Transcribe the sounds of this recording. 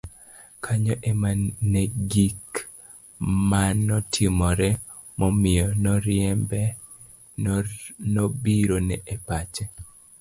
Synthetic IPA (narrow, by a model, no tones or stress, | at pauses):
kʰaɲɔʔemaneɡik | manɔtʰɪmɔɾɛ | mɔmɪjɔnɔɾɪɛmbɛ | nɔbiɾonɛʔepat͡ʃe